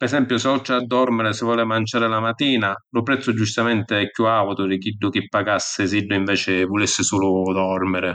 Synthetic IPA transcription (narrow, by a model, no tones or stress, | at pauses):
pɛsɛmpjʊseɔt͡ʃːaad̪ːɔrmeɾesɪvːɔːlɪmant͡ʃaːɾelamat̪iːnalʊpɾɛt̪sːʊd͡ʒust̪amɛnt̪eɛkːjuawt̪ʊd̪ɪk̟iɖːʊk̟ɪpːaɡasːɪs̬iɖːʊiɱvɛːt͡ʃɪvolisːɪsuːlʊd̪ɔrmɪɾe